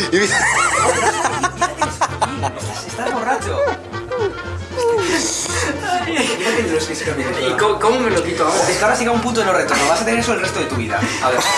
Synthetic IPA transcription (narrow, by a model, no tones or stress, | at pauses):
iβioɾsakiat̪eesinest̪asest̪aβorat͡ʃo | iap̪enɾosfisikameneikokomomelokit̪oaiekawɾasiɣaumpunt̪oenoret̪oɾnoβasat̪eneɾesolrest̪oe̞t̪uβiða̰aβe